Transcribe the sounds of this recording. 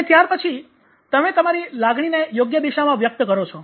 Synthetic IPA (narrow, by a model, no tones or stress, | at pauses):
net̪jaɾpət͡ʃʰi | t̪əmet̪əmaɾilaɡɽ̃inejoɡjəd̪iʃamãʋjək̚t̪əkəɾot͡ʃʰɔ